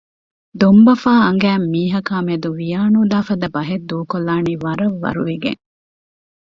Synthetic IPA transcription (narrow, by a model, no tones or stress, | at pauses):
d̪ombɐfaːɐŋɡæːmːiːɦɐkaːmeɐd̪uʋijaːnuːd̪aːfɐd̪ɐbɐɦed̪ːuːkolːaːniʋɐɾɐʋːɐ̰ɾuʋeɡḛŋ